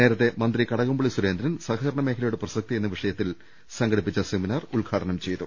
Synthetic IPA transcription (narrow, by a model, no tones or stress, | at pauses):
ne̞ːɾɐt̪ːe̞mɐnd̪rikɐɽɐɣumbɐɭisuɾe̞ːnd̪ɾɐnsɐɣɐɐɾɐɳɐme̞ːkʰɐlɐjuɽeprɐsɐk̚t̪ije̞nːɐʋiʂɐjɐt̪ːil | sɐŋɡɐɽipːit͡ɕːɐseminaːruɭɡʱaːʈʰɐnɐmt͡ɕe̞jt̪u